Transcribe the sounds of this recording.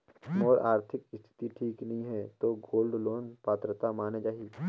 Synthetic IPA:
mɔːɾaːɾt̪ʰɪkɪst̪ʰɪ̥t̪iʈʰiːknɐɦĩɦɛt̪oːɡoːlɖloːnpaːt̪ɾət̪amaːned͡ʒaːɦiː

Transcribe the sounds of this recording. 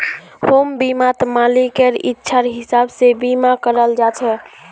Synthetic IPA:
hombimat̪malikeɾḭtːʃʰaɾɦisabsebimakəɾəld͡ʒat͡ʃʰɛ

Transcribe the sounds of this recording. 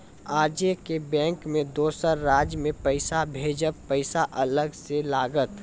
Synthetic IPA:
aːd͡ʒekebɛ̃ːŋkmẽd̪oːsəɾːaːd͡ʒmẽpəɪsabʱeːd͡ʒəpəɪsaʔɐləɡselaːɡət̪

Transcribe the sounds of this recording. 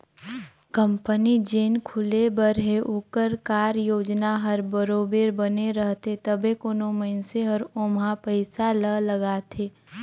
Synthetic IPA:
kə̃mpənid͡ʒeːnkʰʊlebəɾɦeʔʊkəɾkaːɾjoːd͡ʒnaɦəɾbəɾoːbeːɾbəneɾəɦt̪et̪əbʱekoːnoməɦɪnseɦɐɾoːmɦapəɪsalələɡaːt̪ʰeː

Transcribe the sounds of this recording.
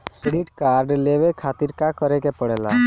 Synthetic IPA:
keɽiʈkaɾɖleʋekʰat̪iɾkakəɾekepəɽɛla̰

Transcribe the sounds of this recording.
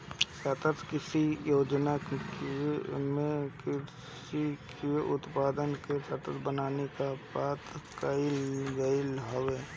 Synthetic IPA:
sət̪ət̪kɪsijoːd͡ʒnak | mẽkɪ | sikeʊt̪paːd̪ənkesət̪ət̪ʰbənaːnekapaːt̪kəɪlɡəɪlɦoʋeː

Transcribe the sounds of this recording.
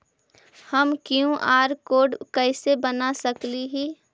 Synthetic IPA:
həmkjũʔaːɾkoːɖkɛɪsebənasəkliɦiː

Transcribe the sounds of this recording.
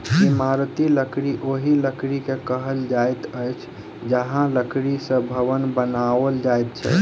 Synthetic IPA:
imaɾt̪iləkɾiʔoɦiləkɾikekəɦəld͡ʒajt̪əjt͡ʃʰ | d͡ʒəɦãləkɾisə̃bʱəʋənbənaəld͡ʒajt̪̚t͡ʃʰɛ̰

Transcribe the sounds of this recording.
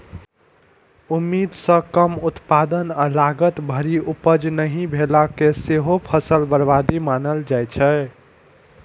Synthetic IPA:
umːid̪sə̃kəmut̪pad̪ənalaɡət̪bʱəɾiupəd͡ʒnəɦĩbʱelakeseɦopʰəsəlbəɾbad̪imanəld͡ʒajt͡ʃʰɛ

